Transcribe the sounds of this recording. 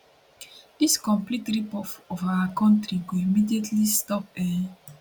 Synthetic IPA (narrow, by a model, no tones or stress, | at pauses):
diskɔ̃mplitɹipɔfɔfawakɔ̃ntɾiɡoimidietʰlistɔpɛ